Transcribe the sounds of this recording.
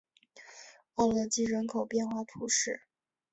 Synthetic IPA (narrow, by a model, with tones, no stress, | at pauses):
ɑ˥˩ʊlɤ˧˥t͡ɕi˥ɻə˧˥nkʰo˨˩ʊpjɛ˥˧nxwa˥˩t̪ʰu˧˥ʂɻ̩˥˩